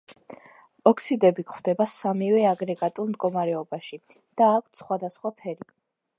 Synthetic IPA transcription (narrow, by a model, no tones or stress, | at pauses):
ɔkʰsid̪ɛbikχwd̪ɛbasamivɛaɡɾɛɡat̪ʼulˠmd̪ɡɔmaɾɛɔbaʃi | d̪̥aːkʷʰt̪ʰsχwad̪asχwapʰɛɾi